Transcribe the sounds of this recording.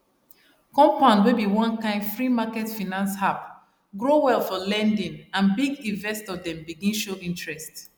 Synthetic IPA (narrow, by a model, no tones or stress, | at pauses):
kɔ̃mpãnwebiwɔ̃nkãɪ̃ndfɹimakɛtfinãnshap | ɡɹowɛlˠfɔlɛ̃ndĩŋãnbiɡĩnvɛstɔdɛ̃mbiɡĩnʃoĩntɹɛst